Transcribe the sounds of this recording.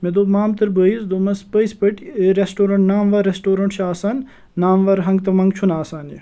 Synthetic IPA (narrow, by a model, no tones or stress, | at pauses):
med̪oːmaːmt̪ɐɾbəizd̪oːmɐspəjspɐʈeɾesʈoːɾɐɳʈnaːmʋɐɾesʈoːɾɐɳʈʃaːsaːnː | aːmʋɐɾɦɐŋɡt̪ɐmɐŋɡt͡ʃʰunaːsaːnje